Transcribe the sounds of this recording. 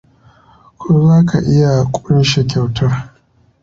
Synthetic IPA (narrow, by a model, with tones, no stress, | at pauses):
kʷʰoː˦zaː˦ka˨ʔɪ˦ja˨kʷʼʊ˦n˦ʃe˨kʲa˨wtʰɐ˦r